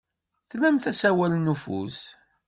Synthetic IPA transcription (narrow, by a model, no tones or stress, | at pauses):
θlæmθæsæwælnːufṵs